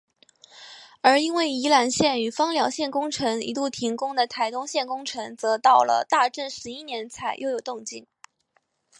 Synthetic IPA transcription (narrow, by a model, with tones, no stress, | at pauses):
ə˞˧˥i˥nwe˥˩ɪi˧˥la˨˩nɕjɛ˥˩ny˨˩fɑ˥ŋljɑ˨˩˥ʊɕjɛ˥˩nkʊ˥ŋʈ͡ʂʰɤ˧˥ŋḭ˧˥t̪u˥˩t̪ʰi˧˥ŋkʊ˥ŋd̪ə˨t̪ʰa˧˩ɪt̪ʊ˥ŋɕjɛ˥˩nkʊ˥ŋʈ͡ʂʰɤ˧˥ŋt͡sɤ˧˥t̪ɑ˥˩ʊlə̰˩t̪a˥˧ʈ͡ʂə˥˩nʂɻ̩˧˥i˥njɛ˧˥nt͡sʰa˨˩ɪjʔo˥˩ʊjo˨˩ʊt̪ʊ˥˧ŋt͡ɕi˥˩n